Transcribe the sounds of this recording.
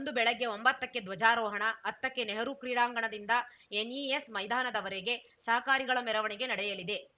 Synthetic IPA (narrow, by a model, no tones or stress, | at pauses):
ond̪ubɛɭɐɡːe̞ombɐt̪ːɐkːe̞d̪ʋɐd͡ʒaːɾɔːɦɐɳɐːt̪ːɐkːeneɦɐɾukɾiːɽaːŋɡɐɳɐd̪ind̪ɐ | eniesmɐjd̪ʱaːnɐd̪ɐʋɐɾeɡe̞ | sɐɦɐkaːɾiɡɐɭɐmɛɾɐʋɐɳɛɡe̞nɐɽɛjɐlid̪e̞